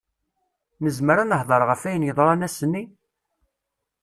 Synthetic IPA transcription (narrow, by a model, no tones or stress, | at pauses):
nəzməɾænəħðˤəɾˤʁəfæjənjəðˤɾˤɑnæsənːi